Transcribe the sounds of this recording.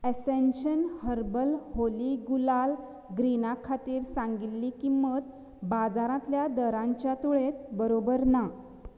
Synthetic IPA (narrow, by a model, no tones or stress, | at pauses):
esenɕənhəɾbəlholiɡulal | ɡɾinakʰat̪iːɾsãŋɡit̪lːikimːət̪̚ | bad͡zaɾãt̪ljad̪əɾãɲt͡ɕjat̪uɭet̪̚bəɾobəɾna